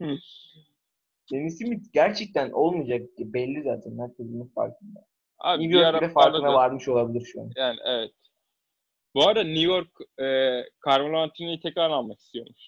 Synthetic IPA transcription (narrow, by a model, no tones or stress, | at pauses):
denisimit̪ɟæɾt͡ʃʰɛc̚t̪ʰænʔo̞lˠmid͡ʒak̚bɛlʲːiza̰ːt̪ʰænhæɾcʰezimik̪fa̰ɾkʰɯnd̪a | a̰nivjoaid̪ɛfaɾkɯnavaɾmɯʃo̞lˠabilʲiɾʃua̰njaːnḭʔevɛt̪ | buad̪anujoɾkɛːkʰːaɾmalˠant̪ʰinijt̪ʰɛcaɾnˠanmaki̥st̪ʰijo̞̰mus